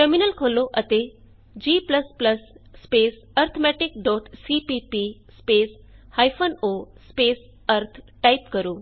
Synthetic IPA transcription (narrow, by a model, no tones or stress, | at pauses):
ʈəɾminəlkʰoloʔət̪e | d͡ʑiːpləspləsːpeːs | ɐɾt̪ʰmɛʈikɖɔːʈsipipispes | hajfʰonospeːs | əɾt̪ʰʈaipkəɾuː